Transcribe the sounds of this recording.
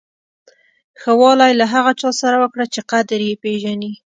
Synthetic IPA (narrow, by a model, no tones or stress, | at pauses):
xəwɑlajlaɦaɣat͡ʃɑsaɾawəkɽat͡ʃeqad̪ɾjepeʒani